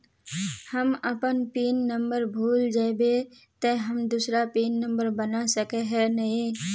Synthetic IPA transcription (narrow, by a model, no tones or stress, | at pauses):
həməpənpiːnːə̃mbəɾbʱuːld͡ʒaːbe | t̪əɦəmd̪uːsɾapiːnːə̃mbəɾbənasəkeɦɛnɐɦĩ